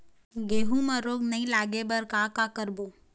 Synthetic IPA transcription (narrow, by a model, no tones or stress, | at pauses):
ɡeːɦũːmãɾoːɡnəɦĩːlaːɡebəɾkaːkaːkəɾboː